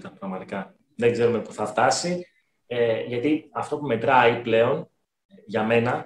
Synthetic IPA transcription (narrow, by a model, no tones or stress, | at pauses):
t̪ɐpɾɐɣmɐt̪ikɐ | ðe̞ɡze̞ɾume̞puθɐft̪ɐsi | eʝɐt̪iɐft̪o̞pume̞t̪ɾɐiple̞o̞n | ʝɐme̞nɐ